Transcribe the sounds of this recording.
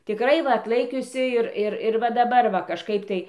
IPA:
tʲɪˈkrɐɪ ˈʋɐ ɐtˈlˠɐɪkʲʊsʲɪ ɪr ˈɪr ɪr ʋɐ dɐˈbɐr ʋɐ kɐʃˈkɐɪp tɐɪ

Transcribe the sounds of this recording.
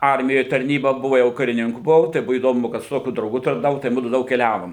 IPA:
ˈɐrʲmʲɪjoːj tɐrʲˈnʲiːbɐ ˈbʊʋɐ jɛʊ kɐrʲɪˈnʲɪŋkʊ bʊˈʋɐʊ tɐɪ ˈbʊʋoː iːˈdoːmʊ kɐt sʊ ˈtoːkʲʊ drɐʊˈɡʊ tɐrnɐˈʋɐʊ tɐɪ ˈmʊdʊ ˈdɐʊk kʲɛˈlʲæːʋoːm

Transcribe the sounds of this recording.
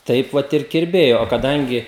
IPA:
ˈtɐɪp ʋɐt ɪr kʲɪrʲˈbʲeːjoː oː kɐˈdɐŋʲɡʲɪ

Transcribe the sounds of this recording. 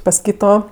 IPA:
pɐs ˈkʲiːtoː

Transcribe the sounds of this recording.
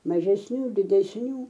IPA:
mɐʒʲɛsʲˈnʲuː dʲɪdʲɛsʲˈnʲuː

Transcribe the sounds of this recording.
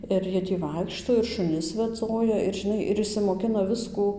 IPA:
ɪr ˈjiɛ ˈtʲiː ˈʋɐɪkʃtoː ɪr ʃʊˈnʲɪs ʋʲɛˈd͡zoːjɛ ɪr ʒʲɪˈnɐɪ ɪr ɪʃʲsʲɪmoːˈkʲɪnɐ ˈʋʲɪskuː

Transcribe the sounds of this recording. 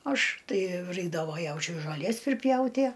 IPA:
ˈɐʃ ˈtɐɪ ˈrɐɪɡdɐʋoː ˈjɛʊt͡ʃʲʊɪ ʒoːˈlʲiɛs pʲrʲɪˈpʲjɛʊtʲiɛ

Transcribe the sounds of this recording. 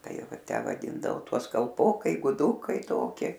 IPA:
ˈtɐɪ ˈʋɐ ˈtʲæː ʋɐˈdʲiːndɐʋoː ˈtuɔs kɐlˠˈpoːkɐɪ ɡʊˈdʊkɐɪ ˈtoːkʲɪ

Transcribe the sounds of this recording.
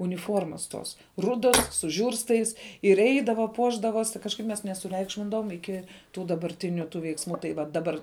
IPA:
ʊnʲɪˈfoːrmɐs toːs ˈrʊdoːs sʊ ˈʒʲuːrstɐɪs ɪr ˈɛɪdɐʋɐ ˈpuɔʒdɐʋoːsʲɪ kɐʃˈkɐɪp mʲɛs nʲɛsʊˈrʲɛɪkʃʲmʲɪndɐʋoːm ˈɪkʲɪ tuː dɐbɐrʲˈtʲɪnʲʊ tuː ʋʲɛɪksˈmuː tɐɪ ˈʋɐ dɐˈbɐr

